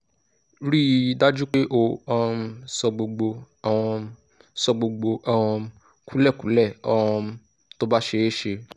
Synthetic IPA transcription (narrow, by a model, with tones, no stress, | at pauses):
ɾi˦˧da˦d͡ʒu˦k͡pe˦ʔo˦˧ɔ˧sɔ˧ɡ͡bo˧ɡ͡bo˧ | a˨w̃ɔ̃˧ | sɔ˧ɡ͡bo˧ɡ͡bo˧ã˧ɔ̃˧ | ku˨˦lɛ˦˨kũ˨˦lɛ˦˨ɔ˨ɔ̃˧ | to˦ba˦ʃe˧˦ʃe˧